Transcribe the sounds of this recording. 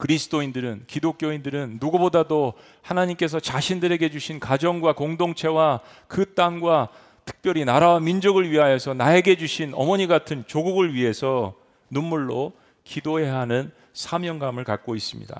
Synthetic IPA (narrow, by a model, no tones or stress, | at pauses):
kɯɾisʰɯ̥t͈oindɯɾɯnkidok͈̚joindɯɾɯnːuɡʌbodado | hanaɲimk͈e̞s̬ʰʌt͡ɕaɕʰindɯɾe̞ɡe̞d͡ʑuɕʰinkad͡ʑʌŋɡwakoŋdoŋt͡ɕʰe̞wa | kɯt͈aŋɡwa | tʰɯ̥k̚p͈jʌɾinaɾawamind͡ʑoɡɯɭɥiɦajʌsʰʌnae̞ɡe̞d͡ʑuɕʰinʌ̰mʌɲiɡatʰɯnt͡ɕoɡuɡɯɭɥiɦe̞sʰʌ | nunːuɭːo | kidoe̞ɦanɯn | sʰamjʌŋɡamɯɭkak͈ois͈ɯmɲḭda̰